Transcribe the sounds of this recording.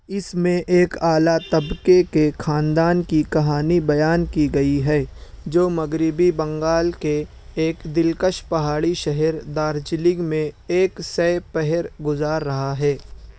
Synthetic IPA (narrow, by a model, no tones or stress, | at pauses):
ɪsmẽʔeːkaːlat̪ɐbkekexʰaːnd̪aːnkikɐɦaːnibɐjaːnkiɡɐiɦɛːd͡ʒoːmɐɡɾɪbibɐ̃ŋɡaːlkeː | kd̪ɪlkəʃpɐɦaːɽiʃɐɦɛɾd̪aːɾd͡ʒlɪɡmẽeːksɛpɛɦɛɾɡʊzaːɾːɐɦaɦɛː